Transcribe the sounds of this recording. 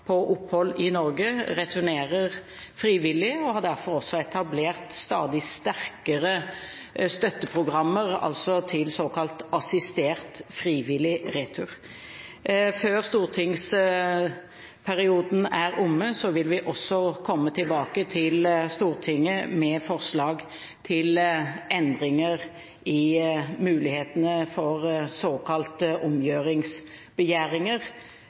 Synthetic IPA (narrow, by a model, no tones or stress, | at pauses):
pʰɔʔʊphɔlːɪnɔɾɡəɾɛt̪ʰʉneːʁəʁ | fɾiːʋɪlːɪɔhɑd̪æʁfɔɾɔsːɔɛt̪ʰɑbleːʁt̪st̪ɑ̰ːd̪ɪst̪æʁkəʁə | st̪œt̪ːəpʰʁʊɡʁɑmːəɾɑ̰lsɔt̪ʰɪlsoːkɑlt̪ɑsɪst̪eːʁt̪fɾiːʋɪlɪɾeːt̪ʰʉʁ | føːʁst̪uːʁt̪ʰɪŋs | pʰæʁɪuːd̪n̩æʁʊmːəsɔʋɪlʋɪʔɔsːɔkʰɔmːət̪ʰɪlbɑːkət̪ʰɪlst̪uːʁt̪ʰɪŋːəmɛːfɔʁslɑːɡ | t̪ʰɪlɛnd̪ʁɪŋəʁ | ɪmʉːlɪheːt̪ənəfɔʁsoːkʰɑlt̪ʊmjøːʁɪŋsbəjæːʁɪŋəʁ